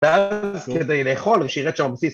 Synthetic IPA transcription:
veazked̪ejleːχo̞lʃeiʁɛt̪ʃambsis

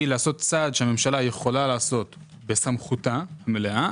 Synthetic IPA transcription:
ilaːso̞t̪t͡sad̪ʃehame̞mʃalaje̞χo̞lalaːso̞t̪ | be̞samχut̪ahameleʔa

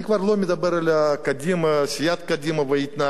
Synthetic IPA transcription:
ikʋɐɾlˠomʲid̪ɐbɛɾɐlʲɐkɐd̪ʲimɐsʲijat̪kɐd̪ʲimɐʋɐjit̪ʲnɐ

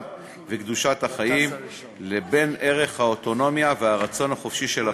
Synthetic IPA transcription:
vekd̪uʃat̪haχajim | lebe̞nʔe̞ʁe̞χhaoto̞no̞mjaveaʁat͡so̞nhaχo̞fʃiʃe̞la

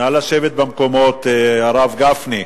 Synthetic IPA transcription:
alaʃevet̪̚bamkomo̞t̪eaʁavɡafni

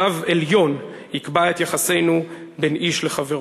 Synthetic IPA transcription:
aveljo̞n | ikbaet̪jaχase̞jnu | benʔiʃle̞χaveʁ

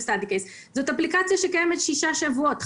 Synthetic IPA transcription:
stad̪ikejs | zotaplikat͡sjaʃekajemetʃiʃaʃavuot

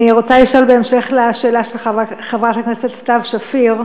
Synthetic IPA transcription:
iʁot͡sajiʃolbeemʃeχleaʃeːlaʃelχavaχevʁat̪akneset̪tavʃafiʁ

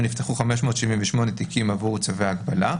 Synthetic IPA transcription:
nift̪eχuχameʃmo̞ːt̪ʃiviɱveʃmo̞net̪ikimavuʁt͡saveaːɡbala

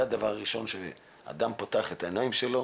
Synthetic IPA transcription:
ad̪avaʁːiʃo̞nʃe | a̰d̪ampot̪aaχet̪aenaimʃe̞lo̞

